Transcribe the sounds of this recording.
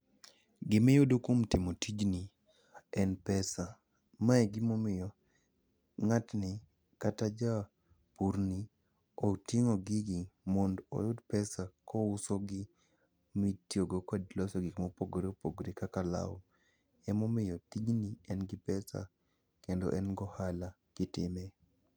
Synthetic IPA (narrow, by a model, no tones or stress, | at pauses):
ɡɪmɛjʊdokomtɪmotid͡ʒni | ɛnpɛsa | maɛɡɪmomɪjɔ | ŋatnɪ | katad͡ʒa | puɾni | otiŋoɡɪɡɪmɔndɔ̰jʊdpɛsakɔʊsoɡɪ | mitjoɡokɔdlɔsɔɡikmopoɡɾepoɡɾikakala̰w | ɛmomɪjɔtiɡniɛnɡɪpɛsa̰ | kendo̰ʔɛnɡɔhala | ɡ̥ɪtɪ̰mɛ